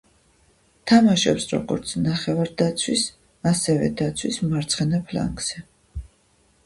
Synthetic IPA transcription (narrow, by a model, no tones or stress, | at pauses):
t̪ʰamaʃɔpsɾɔ̰ɡɔ̰ɾt̪sʰnaχɛvaɾd̪at̪sʰwis | asɛvɛ̰d̪at̪sʰwismaɾt̪sʰχɛnapʰla̰ŋɡz̥ɛ